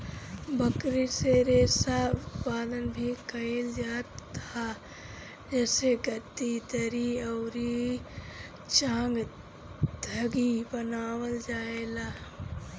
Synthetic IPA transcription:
bəkɾiseɾeːsaʊt̪paːd̪ənbʱikəeld͡ʒaːt̪a | d͡ʒɛːseɡət̪it̪əɾiɔːɾi | t͡ʃãːŋɡ | d̪ʱəɡibənaːwəld͡ʒaːelaː

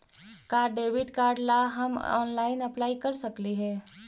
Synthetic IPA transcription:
kaːɾɖɖeːʋɪʈkaːɾɖlaɦɐmɔ̰ːnlaːɪnɐplaːikɐɾsɐkliɦɛː

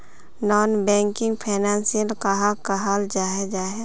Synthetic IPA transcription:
nɔːnbɛ̃ːŋkɪ̃ŋɡpʰɛːnɛːnsiəlkaɦakaɦald͡ʒaːɦed͡ʒaːɦe

